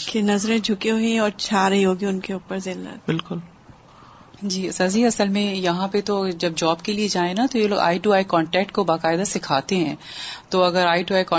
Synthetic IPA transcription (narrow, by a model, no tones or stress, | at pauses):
kenɐzɾẽd͡ʒʱʊkeɦoẽɔːɾt͡ʃʰaːɾɐɦiɦoːɡiʊnkeuːpəɾzɪlːɐ̰t̪bɪlkʊl | d͡ʒiːsaːziɐsəlmẽjɐɦãpet̪od͡ʒɐb̚d͡ʒɔːbkelied͡ʒaːẽnat̪ojeloːɡa̰ːiʈuːaːikɔːɳʈɛːk̚ʈ̚kobaːkaːɪd̪asɪkʰaːt̪eɦɛ̃ːt̪oɐɡəɾaːiʈuːaːikɔ̃ː